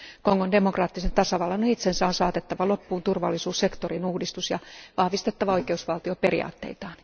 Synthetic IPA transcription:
koŋːonde̞mokrɑːt̪ːisent̪ɑsɑʋɑlːɑnoit̪sensæonsɑːt̪et̪ːɑʋɑlo̞pːuːnt̪urʋɑ̰lːisuːsse̞kt̪orinuːhdist̪usjɑʋɑhʋist̪e̞t̪ːɑʋɑo̞jkeusʋɑlt̪io̞pe̞rḭɑ̰ːt̪ːe̞̰it̪ɑːn

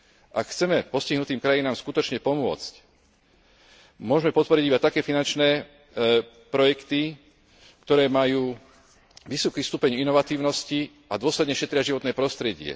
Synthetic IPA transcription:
ʔakxt͡sɛmɛpɔsciɦnut̪iːmkɾajinaːmskut̪ɔt͡ʃɲɛpɔmʊɔ̰t͡sc | mʊɔʒmɛpɔt̪̚pɔɾiɟibat̪akɛːfinant͡ʃnɛː | pɾɔjɛkt̪i | kt̪ɔɾɛːmajuː | ʋisɔkiːst̪upɛɲinɔʋat̪iːʊnɔsci | ʔad̪ʊɔslɛd̪ɲɛʃɛt̪ɾɪaʒiʋɔt̪nɛːpɾɔst̪ɾɛɟɪɛ̰

